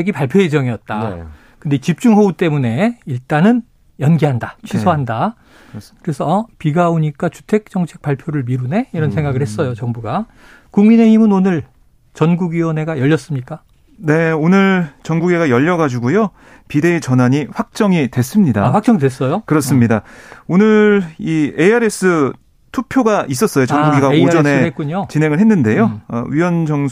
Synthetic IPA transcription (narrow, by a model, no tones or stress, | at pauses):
eɡipaɭpʰjoed͡ʑʌŋijʌt̚t͈a | kɯndet͡ɕip̚t͡ɕ͈uŋɦout͈e̞mune̞iɭt͈anɯn | jʌnɡiɦandat͡ɕʰisʰoɦanda | kɯɾe̞sʰʌpiɡaoɲik͈at͡ɕu̥tʰe̞k̚t͡ɕ͈ʌŋt͡ɕʰe̞k̚p͈aɭpʰjoɾɯɭmiɾune̞iɾʌnsʰe̞ŋɡaɡɯɭhe̞s͈ʌjot͡ɕʌŋbuɡa | kuŋmine̞himɯnonɯɭ | t͡ɕʌnɡuɡɥiwʌnɦe̞ɡajʌʎːʌs͈ɯmɲik͈a | ne̞onɯɭt͡ɕʌnɡuɡe̞ɡajʌʎːʌɡad͡ʑuɡujo | pide̞it͡ɕʌnaɲiɸwak̚t͡ɕ͈ʌŋidwe̞s͈ɯmɲidaɸwak̚t͡ɕ͈ʌŋidwes͈ʌjokɯɾʌs͈ɯmɲidaonɯɭie̞aɾe̞s͈ɯ | tʰupʰjoɡaʔis̬͈ʌs͈ʌjot͡ɕʌnɡuɡiɡaod͡ʑʌne̞ek͈uɲot͡ɕinɦe̞ŋɯɭɦenːɯnde̞joʌ̰ɥiwʌnd͡ʑʌŋ